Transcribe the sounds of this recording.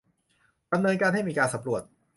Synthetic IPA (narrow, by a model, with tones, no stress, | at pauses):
d̥a˧mnɤː˧nkaː˧nɦa˥˩jmiː˧kaː˧nsa˧˦mɾu˨˩ət̪̚